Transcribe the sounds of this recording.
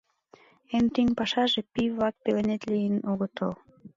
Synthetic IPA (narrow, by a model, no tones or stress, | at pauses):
emt̪iŋpɑʃɑʒepivɑk̚pelenet̪lijənoɣət̪ol